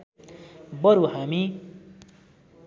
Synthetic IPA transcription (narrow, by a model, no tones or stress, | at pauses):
bʌɾuɦami